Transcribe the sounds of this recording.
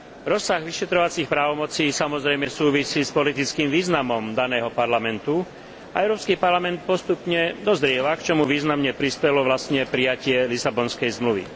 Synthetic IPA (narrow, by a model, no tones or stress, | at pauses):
ɾɔsːaɣʋiʃɛt̪ɾɔʋat͡sixpɾaːʋɔmɔt͡siːsamɔzɾɛjmɛsuːʋisiːspɔlit̪it͡skiːmʋiːznamɔmd̪anɛːɦɔpaɾlamɛnt̪u | aʔɛʊɾɔːpskiːpaɾlamɛnt̪̚pɔst̪upɲɛd̪ɔzɾɪɛʋakt͡ʃɔmuʋiːznamɲɛpɾispɛlɔʋlast̪ɲɛpɾijacɪɛlisabɔnskɛjzmluʋḭ